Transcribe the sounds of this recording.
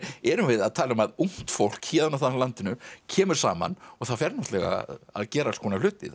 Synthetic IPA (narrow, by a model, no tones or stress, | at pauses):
ɛɾʏmvɪðaðt̪ʰaːlmaðuŋ̥t̪fowl̥khɛːðanaθalant̪ɪnʏcʰɛːmʏɾ̥saːma̰nɔɣθaðfɛɾnɔht̪lɛɣa̰a̰ðcɛːɾaskʰɔnalʏːt̪ɪ̰ð